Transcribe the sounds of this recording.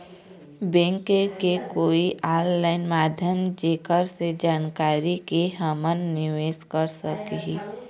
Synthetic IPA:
bẽːŋkekekoːiʔaːllaːɪnmaːd̪ʱjəmd͡ʒeːkəɾsed͡ʒaːnkaːɾikeɦəmənːɪʋeːʃkəɾsəkɦiː

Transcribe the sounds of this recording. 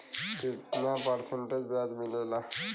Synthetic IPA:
t̪it̪napəɾseɳʈed͡ʑbjad̪milela

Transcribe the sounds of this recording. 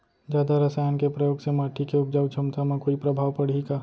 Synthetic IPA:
d͡ʒjaːd̪aɾɐsaːjankepɾɐjoːɡsemaːʈʰikeʊp̚d͡ʒəːt͡ʃʰɐmt̪amãkoːipɾɐbʱaːʋpɐɽ̤ika

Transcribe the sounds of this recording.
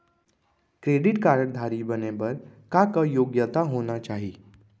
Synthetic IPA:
kɾeɖiʈkaɾəʈ̚d̪ʱaɾibənebəɾkakəjoɡjət̪aɦonat͡ʃaɦi

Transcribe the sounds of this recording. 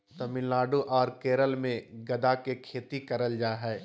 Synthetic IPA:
t̪ɐmɪ̃nlaːɖuʔɔːɾkeːɾəlmẽɡɐd̪akekʰeːt̪ikɐɾəld͡ʒaːɦɛː

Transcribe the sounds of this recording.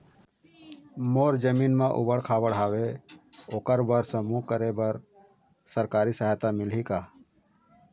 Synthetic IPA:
moːɾd͡ʒəmiːnmãʔʊ̰bəɽkʰaːbəɽɦaːweoːkəɾbəɾsə̃mukəɾebəɾ | səɾkaːɾisəɦaːt̪amɪlɦikaː

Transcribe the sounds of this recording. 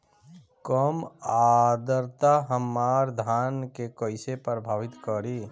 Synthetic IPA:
kəmad̪əɾt̪aɦəmːaːɾd̪ʱaːnkekəɪsepɾəbʱaːʋɪt̪kəɾi

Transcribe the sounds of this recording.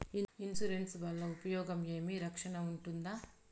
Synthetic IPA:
iinsuɾensʋɐlːɐupɐjɔːɡɐmeːmiɾɐkʂɐɳɐuɳʈund̪aː

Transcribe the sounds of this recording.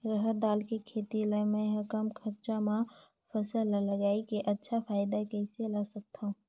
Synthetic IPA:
ɾəɦəɾd̪aːlkekʰeːt̪ilɛ̃mɛ̃ɦəkəmkʰəɾt͡ʃamã | pʰəsəlləɡaːikeʔətːʃʰapʰaːɪd̪akɛselasək̚t̪ʰaɦũ

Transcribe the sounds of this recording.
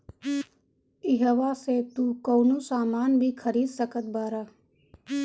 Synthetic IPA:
ɪɦəʋaset̪uːkownusaːmaːnbʱikʰəɾiːd̪səkət̪̚baːɾə

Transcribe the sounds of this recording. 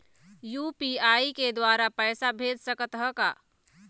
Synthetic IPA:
jupiaiked̪waɾapəɪsabʱed̪səkət̪ɦəka̰

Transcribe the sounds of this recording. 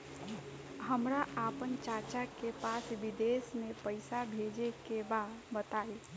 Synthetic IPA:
ɦəmɾaapənt͡ʃat͡ʃakepasbid̪esnepəɪsabʱed͡ʒekebabət̪ae

